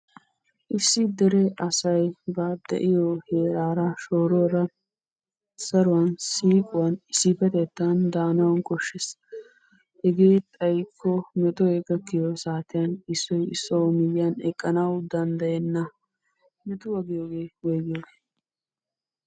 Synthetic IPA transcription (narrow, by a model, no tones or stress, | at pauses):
ʔɪsːɪd̪ɛɾɛʔɐsɐjbaːd̪ɛ̰ʔɪjoheːɾaːɾɐʃoːɾɔːɾɐ | sɐɾʊwɐnsiːkʼʊwɐnɪsɪfɛt̪ɛt̪ːɐnd̪aːnɐwɐnkʼɔʃːes | hɛɡeːt̪ʼɐjkʰːɔmɛt̪ʼɔɛɡɐkːɪjosaːt̪ɪjɐnɪsːɔjɪsːɔmɪjɪjɐnɛ̰kʼːɐnɐwd̪ɐnd̪ɐjɛnːɐ | mɛt̪ʊwɐɡɪjoːɡeːwɔjɡɪjoːɡeː